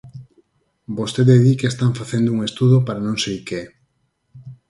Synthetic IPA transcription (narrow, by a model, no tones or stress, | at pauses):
bost̪eðeðikeest̪aɱfaθend̪ouŋest̪uðopaɾanõŋsejkeɛ